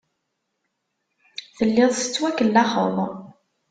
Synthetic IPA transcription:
θəlːɪðˤsə̥t͡sːwækːəlːɑχə̰ðˤ

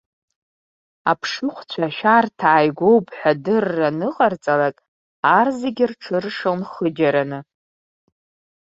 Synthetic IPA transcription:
apʰʂɨχʷt͡ɕʷʰaʃᶣartʰaːjɡʷo̞wpʼħʷᶣadɨrːanɨqʼart͡sʼalakʼ | arzeɡʲɪrʈ͡ʂʰɨrʂonχəd͡ʒaɾanɨ

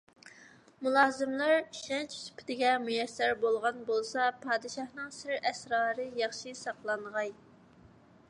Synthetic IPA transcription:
mulˠɑːzɨmlˠɑɾʃɛnt͡ʃʰsy̥pʰɪd̪ɪɡʲɛmujɛsæɾbolˠʁɑnbolˠsɑpʰɑːd̪ɨʃɑhnɨŋsɪɾɛsɾɑːɾɨjɑχʃisɑqlˠɑnʁɑj

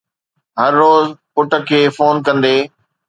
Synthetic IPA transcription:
ɦɐɾːoːzpʊʈə̆kʰeːfoːnkɐ̃nd̪eː

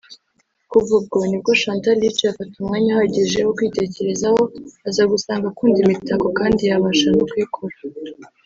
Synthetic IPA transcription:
kubub̚ɡonib̚ɡaʃaːntaɾit͡ʃeafatumŋaɲahaɟiʒewokwiːte̞ce̞ɾe̞zaho̞azaːɡusaːŋɡakuːndimitakokaːndijaβaʒanokwikʰoɾa

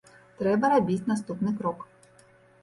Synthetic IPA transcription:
t̪ɾɛbɐɾabʲit͡sʲnast̪upnɨkɾɔk

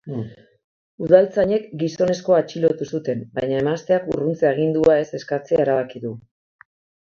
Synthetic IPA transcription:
uðalt͡saɲe̞kɡiso̞ne̞sko̞at͡ʃilo̞t̪usut̪e̞mbajɲae̞mast̪e̞akṵrunt͡seaɣ̞ind̪uae̞se̞skat͡seaeɾaβakiðu

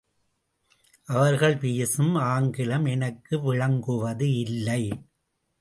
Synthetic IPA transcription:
ʔɐʋɐɾɣɐɭpijɐsɯmaːŋɡɪlɐmɛnɐkːɯʋɪɻɐŋɡɯʋɐðɯɪlːɐɪ

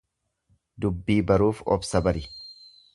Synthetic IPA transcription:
d̪ʊbːiːbɐɾuːfɔ̰bsɐbɐɾɪ

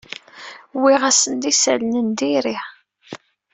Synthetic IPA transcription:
wiʁæsənd̪isælnənd̪iɾi

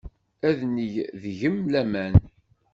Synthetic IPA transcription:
æðnijðʝəmlæmæn

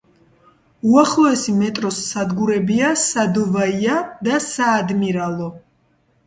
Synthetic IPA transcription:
uaχlˠɔɛsimɛt̪ʼɾɔsːad̪ɡuɾɛbiasad̪ɔvaiad̪asaːd̪miɾalɔ

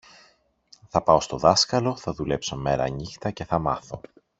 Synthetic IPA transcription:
θɐpɐo̞st̪o̞ðɐskɐlo̞θɐðule̞pso̞me̞ɾɐ̰ɲixt̪ɐce̞θɐmɐθo̞

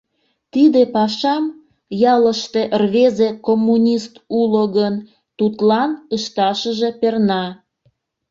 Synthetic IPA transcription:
t̪id̪epɑʃɑm | jɑləʃt̪eʔrβezekomːunʲist̪uloɣən | t̪ut̪lɑnəʃt̪ɑʃəʒe̽pernɑ

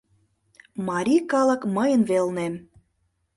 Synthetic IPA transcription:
mɑɾʲikɑlə̆kməjənβelnem

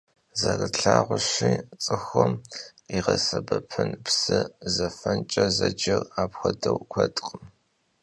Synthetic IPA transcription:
zɐrɨɬʰaːʁʷʊɕiːt͡sʼɨxʷɔmiʁɐsɐbɐpʰɨnpsɨzɐfɐnt͡ʃʼɐzɐd͡ʒɐraːpxʷɐdɐwkʷʰɐtʼqʼəm

